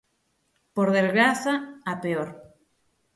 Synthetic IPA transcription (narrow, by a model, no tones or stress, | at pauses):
poɾðezɣɾaθaapeoɾ